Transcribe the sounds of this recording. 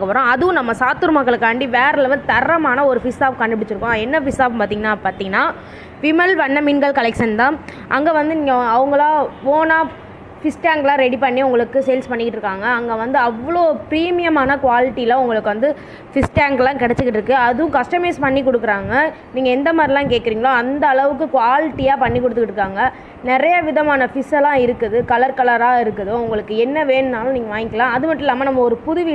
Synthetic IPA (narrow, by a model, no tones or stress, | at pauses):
kɐpɐɾõːɐðɯʋʊ̃nɐmːɐsaːt̪ɯɾɯmɐkːɐɭɯkːɐːɳɖiʋeːɾɐlɐʋɯt̪ɐɾːɐmaːnɐɔɾɯfɪsaːp̚kɐɳɖɪpɪɽɪt͡ʃːɯɾɯkːõɛnːɐfɪsaːpmpaːɾt̪iŋɐnːaːpaːɾt̪iːŋɡɐnːaː | fimɛlpɐnːɐmɪnɡɐɭkɐlɛkʂɐnt̪ãː | ʔɐŋɡeːʋɐnd̪ɯniːŋɡɐɐʋɯŋɡɐɭãːʋoːnaː | fɪsʈaːŋklãːɾɛɽipɐɳːiʊŋɡɐɭɯkːɯseːlspɐɳːɪkɪʈːɾɯkːaːŋɡɐːŋɡeʋɐnd̪ɯɐʋːɐɭoːɯpɪɾiːmɪjɐmaːnɐkʊʋaːlɪʈːilãːʊŋɡɐɭɯkːɯʋɐnd̪ɯ | fɪsʈaːŋklãːkɪɽɛt͡ʃːɯkːɪʈːɪɾɯkːɯɐðɯʊ̃kɐsʈɐmeːspɐɳːikɔɽɯkːɯɾaːŋɡɐ | niːŋɡɐɛnd̪ɐmaːd̪ɾilãːkeːʈ̚kɪɾiːŋɡɐɭoɐnd̪ɐːɭɐʋɯk̬ːɯkʊʋaːlɪʈːijaːpɐɳːikːɔɽɯt̪ːɯkɪʈːɾɯkːaːŋɡɐ | nɪɾɐjɐʋɪðɐmaːnɐfɪsɛlãːɪɾɯkːɐðɯkɐlɐɾkɐlɐɾaːɪɾɯkːɐðoʊŋɡɐɭɯkːɯɛnːɐʋeːnnaːlʊ̃niːŋɡɐʋaːŋɡɪkːɐlãːɐðɯmɐʈːɪlːaːmɐnɐmːɐɔɾɯpʊðʊʋi